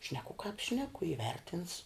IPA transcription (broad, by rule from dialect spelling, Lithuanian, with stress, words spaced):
ˈʃʲnʲæːkʊ kɑːp ˈʃʲnʲæːkʊ ɪˈʋʲɛrʲtʲɪns